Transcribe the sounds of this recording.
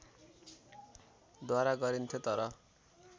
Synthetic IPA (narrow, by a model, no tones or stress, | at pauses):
d̪waɾaɡʌɾint̪ʰjot̪ʌɾʌ